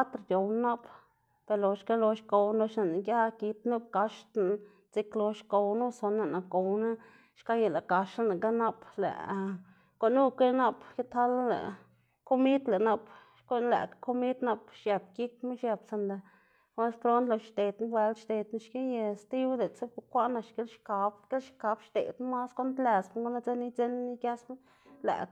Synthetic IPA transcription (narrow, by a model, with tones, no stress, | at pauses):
a˦t̪ɾd̪ʲo˨wn˦na˦p | pe˧ɾlo˨ʃka˦lo˧ʃko˨˧wlo˧ʃna˨na˨ɡʲa˦ki˧t̪nu˦b̚ka˧ʂt̪na˨ | t͡si˧klo˧ʃko˧wnu˦so˧na˧na˨ko˨wna˦ | ʃka˦je˧˨la˨ka˧ʃa˦na˨ka˦na˦plḛ˨ʔ | ko˧˨nu˦ke˦na˦pke˦t̪ha˦la˦lḛ˨ | ko˦mi˦t̪le˨na˧p | ko˦læ̰˨kko˦mi˦t̪na˧pʃja˨p̚ki˦k̚me˦ʃja˧bsa˧nd̪a˧ | kʷa˦pɾo˦nt̪lo˧˨ʃt̪e˨t̪n˦bwe˧lʃt̪e˨t̪na˦ʃke˦je˧st̪i˦wd̪e˨t͡se˦pkʷa˦ʔna˧ʃke˦lʃka˨˧bke˦lʃka˨˧˦bʃt̪ḛ˨t̪ma˦sko˦nt̪læ˨sm˦ɡo˦na˦d͡ze˦ni˦t͡se˦n˦ni˦kja˦sme˦ | læ̰˨